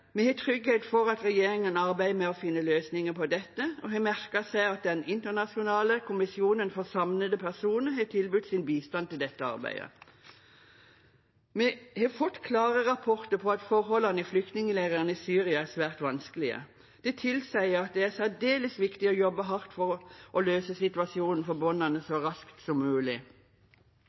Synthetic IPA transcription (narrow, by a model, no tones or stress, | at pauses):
mɛhet̪ʰʁʏɡhɛt̪fɔɾɑt̪ʁɛjeːɾɪŋənɑʁbæɪmɛɔfɪnːəløːsnɪŋəpʰɔd̪ɛt̪ːəɔɦeːmæʁkəsæɪɑt̪̚d̪ɛnɪnt̪əʁnɑsɪʊnɑːləkʰʊmɪsɪuːnənfɔʁsɑmnəd̪əpʰæʁsuːnəɦet̪ʰɪlbʉt̪ːsɪnbiːst̪ɑnt̪ɪld̪ɛt̪ːəɑ̰ʁbæ̰ɪd̪ə̰ | mɛhɛfʊʈ̪kʰlɑːʁəʁɑpʰɔʁt̪əpʰɔɑt̪fɔʁɦɔlɑnəɪflʏk̚t̪nɪŋəleːʁəʁənəisyːʁɪɑæʁsʋæːʁt̪ʋɑnskəlɪə̰ | d̪̥ɛt̪ʰɪlsæɪəɾɑt̪̚d̪ɛæʁsæd̪eːləsʋɪkt̪ɪɔjɔbːəɦɑʁt̪fɔʁʔɔløːsəsɪt̪ʉɑsɪuːnn̩fɔbɔnːɑnəsɔʁɑskt̪sɔmːʉːlɪ